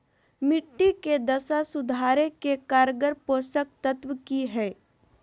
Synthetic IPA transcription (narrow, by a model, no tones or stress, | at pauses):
mɪʈːiked̪ɐsasʊd̪ʱaːɾekekaːɾɡəɾpoːsək̚t̪ət̪wkiɦɛː